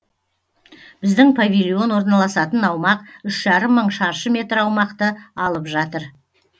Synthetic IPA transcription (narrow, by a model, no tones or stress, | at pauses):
b̥ɪzd̪ɪŋpʰavʲilʲijo̞nwo̞ɾnɑlˠɑsɑt̪ənɑwmɑq̚ʏʃʒ̥ɑɾəmːəɴʃɑɾʃəmʲe̞t̪rɑwmɑqt̪əɑlˠəpʒɑt̪əɾ